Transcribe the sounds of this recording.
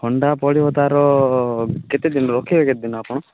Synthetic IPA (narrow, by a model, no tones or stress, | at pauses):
hʰɔɳɖapɔɽibɔt̪aɾɔ | ket̪id̪inɔɾokʰiɾeket̪id̪inɔapɔɽ̃ɔ